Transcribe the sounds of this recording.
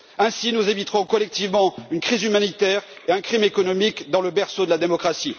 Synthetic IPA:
ɛ̃sinuzabit̪χɔ̃kɔlɛk̚t̪ivmɑ̃ynkχizymanit̪ɛʁ | eɛ̃kχimekɔnɔmikd̪ɑ̃ləbɛʁsod̪əlad̪emɔkχasi

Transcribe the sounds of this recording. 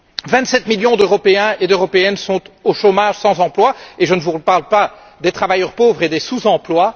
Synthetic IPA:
vɛ̃t̪sɛt̪miljɔ̃d̪øʁɔpeɛ̃ed̪øʁɔpeɛnsɔ̃t̪oʃomaʒsɑ̃zɑ̃plwaeʒənəvupaʁlpa | d̪et̪χavajœʁpovʁed̪esuzɑ̃plwa

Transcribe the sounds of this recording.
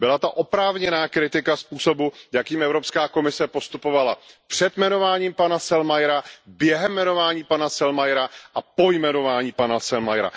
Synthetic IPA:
bɪlat̪aʔo̞pɾaːvɲɛnaːkɾɪt̪ɪkaspuːsobujakiːmɛvɾopskaːko̞mɪsɛpo̞st̪upovalapr̝̥ɛt̪mɛno̞vaːɲiːmpanasɛlmajɾabjɛɦɛmːɛno̞vaːɲiːpanasɛlmajɾaʔapo̞jmɛno̞vaːɲiːpanasɛlmajɾa̰

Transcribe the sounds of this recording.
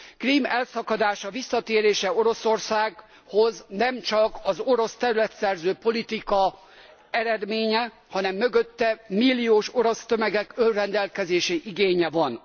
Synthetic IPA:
kriːmɛlsɒkɒd̪aːʃɒvisːɒt̪eːɾeːʃɛo̞ɾo̞so̞rsaːɡ | ho̞znɛmt͡ʃɒkɒzo̞ɾo̞st̪ɛɾylɛt̪sɛrzøːpo̞lit̪ikɒ | ɛɾɛd̪meːɲɛ | hɒnɛmːøɡø̞t̪ːɛmilːijoːʃo̞ɾo̞st̪ømɛɡɛkørrːɛnd̪ɛlkɛzeːʃeʔiɡeːɲɛvɒn

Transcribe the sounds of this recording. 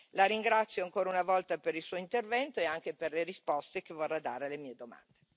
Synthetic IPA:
laɾiŋɡɾat̪sːjoaŋkoːɾaunavɔlt̪apeɾilsuːoint̪ervɛnt̪oeaŋkeperleɾispɔst̪ekevorːad̪a̰ːɾelemiːed̪oma̰nd̪e

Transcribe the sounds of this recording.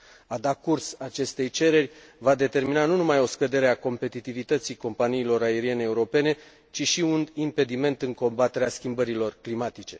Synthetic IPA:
ad̪akursat͡ʃe̞st̪e̞jt͡ʃe̞ɾe̞rʲvad̪e̞t̪e̞rminanunumajo̞skəd̪e̞ɾe̞ako̞mpe̞t̪it̪ivit̪ət̪siko̞mpaniːlo̞ɾae̞ɾie̞ne̞ːuɾo̞pe̞ne̞ | t͡ʃiʃiunimpe̞d̪ime̞nt̪ɨŋko̞mbat̪e̞ɾeaskʲimbəɾilo̞rklimat̪it͡ʃe̞

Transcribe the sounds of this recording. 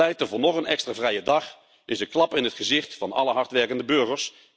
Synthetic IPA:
ɛjtəvʊnɔχənɛkstravrɛjədɑχ | ɪsəklɑpɪnətχəzɪχtfɑnɑ̰ləɦɑɹtʋɛrkəndəbøːɣəɹs

